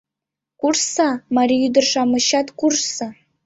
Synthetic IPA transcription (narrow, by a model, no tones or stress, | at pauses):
kurssɑmɑɾʲiyd̪ərʂɑmɤ̆ɕɑt̪kursɑ